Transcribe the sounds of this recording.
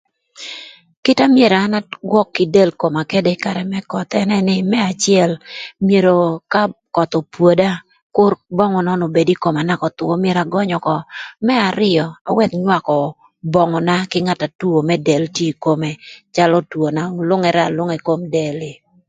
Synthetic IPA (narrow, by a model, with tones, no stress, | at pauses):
kɪ˦ta˦mje˨ɾaː˨˦na˦ɡwɔ˦kːɪ˨de˦lko˨ma˨ke˦de˦ka˨ɾɛ˨mɛ˦kɔ˨t̪ɛ˦nɛ˦nɪ˦mɛ˦a˨t͡ʃɪ˦ɛ˦˨lmje˨ɾo˨ka˦kɔ˨t̪ɔ˨pwo˨da˦ | kʊ˦rbɔ˦ŋɔ˨nɔ˦no˨be˨di˦ko˨ma˨na˦kɔ˨t̪wɔ˦mje˨ɾa˨ɡɔ˦ɲɔ˨kɔ˨mɛ˦a˨ɾɪ˦ɔ˨a̰˨wɛ˦˨t̪ɲwa˦˨kɔ˨ | bɔ˨ŋɔ˨na˦kɪ˦ŋa˦˨ta˨tu˦o˨mɛ˦dɛ˨ltje˦˨ko˦me˨t͡ʃa˦lɔ˦two˨na˨lʊ˦ŋɛ˨ɾɛ˦a̰˨lʊ˦ŋe˨ko˦mde˨lɪ˨